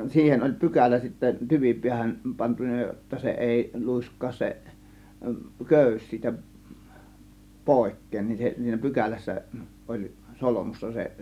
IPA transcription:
siːhen olʲ pykælæ sitːæ tyʋipiæhæn pɑntunˑɑ jotːɑ se eˑi luˑiskˑɑːs se køˑys siːtæ poˑe̝kˑeːn nin se siːnæ pykælæsːæ olʲ solomusːɑ seʔ

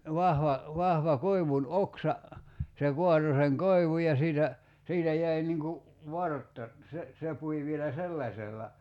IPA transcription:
ʋɑhʋɑ ʋɑhʋɑ koi̞ʋun oksɑ se kuɑto seŋ koiʋuj jɑ siːtæ siːtæ jæi niŋ ku ʋɑrtːɑ se se pui ʋielæ selːɑsʲelːɑ

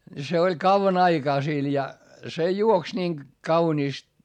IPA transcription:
ni se olʲ kɑuʋɑn ɑikɑː sil jɑ se juoks niːŋ kɑuniːst

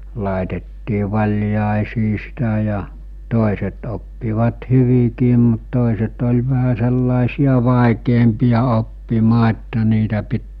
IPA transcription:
lɑˑetetːiː ʋɑlʲjɑˑesiː sitæ jɑ toˑiset opːiʋɑt hyʋikiːm mut toˑiset olʲ ʋæhæ selːɑˑesiɑ ʋɑˑikeːmpiˑjɑ opːimɑː etːæ niːtæ pit

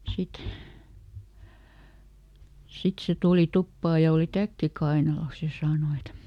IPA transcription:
sit sit se tuˑli tupːɑː jɑ oli tækːi kɑinɑlos jɑ sɑːno et

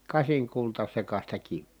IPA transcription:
kɑsiŋkultɑsekɑstɑ kiʋːiː

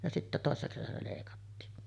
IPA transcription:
jɑ sitːæ toˑesːɑ kesænæ leˑikɑtːiːn

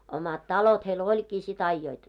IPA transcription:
omɑt tɑlot heil olʲkiː sit ɑijːoit

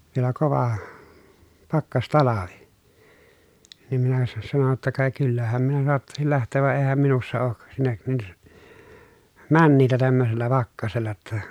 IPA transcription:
ʋielæ koʋɑ pɑkːɑstɑlɑʋi niːm minæ sɑ sɑno tːɑ kɑ kylːæhæm minæ soɑtːɑsil læhtˑeːʋ ʋɑ eːhæm minusːɑ oːk sinːek nin mænːiːtæ tæmːøselːæ pɑkːɑselːɑ tːɑ

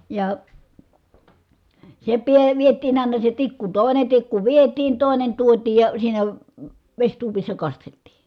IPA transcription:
jɑ se piə ʋietˑiːn ɑˑinɑ se tikːu toˑine tikːu ʋietiːn toˑinen tuotiːj jɑ siːnæ ʋesʲtuopisːɑ kɑsteltiː

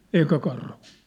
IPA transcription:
eː eikæ kɑrhu̥ː

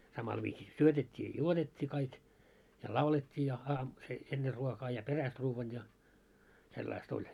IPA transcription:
sɑmɑl ʋiːsi syøtetʲːiː jɑ juotetʲːiː kɑik jɑ lɑuletʲːiː jɑ ɑːm se enːer ruokɑː jɑ peræst ruːʋːɑn jɑ selːɑist olʲ

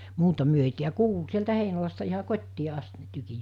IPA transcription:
muːtɑ myø ei tiæ kuːlu sieltæ heinolɑstɑ ihɑ kotʲtiː ɑst ne tykij̆

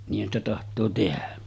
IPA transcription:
niːhˑæn stæ tɑhtˑoː tehæ

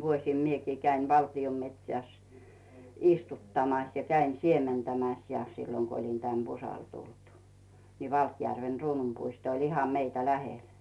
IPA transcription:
ʋuosim miekiː kæiʋ ʋɑltiom metʲsæˑs istutːɑmɑs jɑ kæin siementæmæs jɑ silːoŋ ɡ̊o olʲin tæn b̥usɑl tultŭ ni ʋɑlkjærʋen̞ ruːnumpuisto olʲ ihɑm meitæ læhel

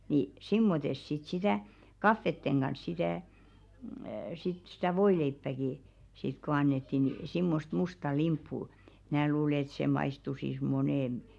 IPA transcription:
ni simːotes sit sitæˑ kɑfːetːeŋ ɡ̊ɑns sitæˑ sit sitæ ʋoileipːæki sit ko ɑnːetːi ni simːost mustɑ limpːu mn̞æː luːle ĕt seˑ mɑistusis moneˑn

